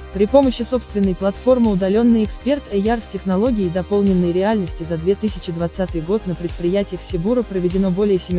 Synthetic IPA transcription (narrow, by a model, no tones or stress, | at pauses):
pɾʲɪpo̞məɕːɪso̞pst̪vʲɪnːəjplˠɐt̪fo̞rmɨʊd̪ɐlʲo̞nːɨjɪkspʲe̞rt̪ɛjarsʲtʲɪxnɐlˠo̞ɡʲɪːɪd̪ɐpo̞lˠnʲɪnːəjɾʲɪalʲnəsʲtʲɪzɐd̪vʲe̞t̪ɨsʲɪt͡ɕɪd̪vɐt̪sat̪ɨjɡo̞t̪nəpɾʲɪt̪̚pɾʲɪjætʲɪjəfsʲɪbuɾəpɾəvʲɪdʲɪno̞bo̞lʲɪjəsʲɪmʲ